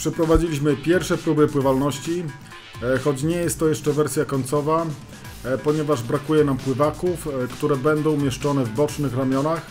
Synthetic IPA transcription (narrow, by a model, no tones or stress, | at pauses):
pʂɛpɾɔvad͡ʑilʲiɕmɘpʲjɛɾfʂɛpɾubɘpwɘvalnɔɕt͡ɕi | xɔt͡ɕɲɛjɛst̪ːɔjɛʂt͡ʂɛvɛɾsʲjakɔɲt̪sɔva | pɔɲɛvaʐbɾakujɛnampwɘvakufkt̪uɾɛbɛnd̪ɔ̃w̃mʲjɛʂt͡ʂɔnɛvbɔt͡ʂnɘxɾamʲjɔnax